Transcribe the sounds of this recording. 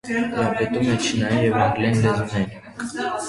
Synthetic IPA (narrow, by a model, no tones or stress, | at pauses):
ɾɑpɛt̪umɛt͡ʃʰinɑjinjɛvɛŋɡlɛnlɛzunɛjin